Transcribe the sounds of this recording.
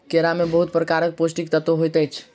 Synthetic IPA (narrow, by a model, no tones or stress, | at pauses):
keɾamebəɦut̪̚pɾəkaɾək̚posʈikt̪ət̪oɦojt̪ət͡ʃʰ